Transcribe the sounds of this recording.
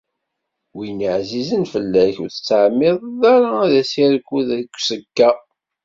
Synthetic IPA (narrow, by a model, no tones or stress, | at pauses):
winiʕzizənfəlːæçuθə̥t͡sːəʕmːɪðˤðaɾaæðæsiɾkːuðækʷːsəkːæ